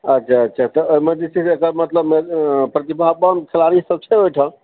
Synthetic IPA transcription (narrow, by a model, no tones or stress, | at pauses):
ətːʃʰaətːʃʰat̪ɔoɦimed͡ʒ̪it͡ʃʰisekəɾmət̪ləbmepɾət̪ibʱabənkʰelaɾisəb̚t͡ʃʰeɦojʈʰə̃